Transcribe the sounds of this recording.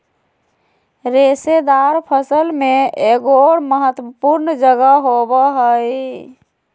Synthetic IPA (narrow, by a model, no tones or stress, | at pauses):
ɾesed̪aɾpʰəsəlmeeɡoɾməɦət̪wəpuɾnd͡ʒəɡəɦobəɦəj